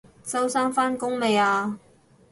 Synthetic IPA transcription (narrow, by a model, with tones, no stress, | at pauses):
t͡sɐ˥wsaː˥nfaː˥nkʊ˥ŋme˨˧jaː˧